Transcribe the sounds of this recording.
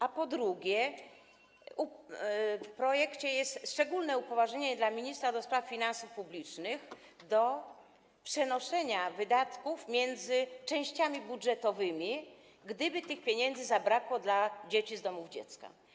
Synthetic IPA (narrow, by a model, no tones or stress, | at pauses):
ʔapɔd̪ɾuɡʲjɛ | u | fpɾɔjɛkt͡ɕɛjɛst̪ʂt͡ʂɛɡulnɛupɔvaʐɲeɲɛd̪lamʲiɲist̪ɾad̪ɔspɾaffʲinansufpublʲit͡ʂnɘx | d̪ɔ | pʂɛnɔʂɛɲavɘd̪at̪kufmʲjɛnd̪zɘt͡ʂɛ̃w̃ɕt͡ɕamʲibudʐɛt̪ɔvɘmʲi | ɡd̪ɘbɘt̪ɘxpʲjeɲɛnd̪zɘzabɾakwɔd̪lad͡ʑet͡ɕizd̪ɔmuvd͡ʑɛ̰t̪ska̰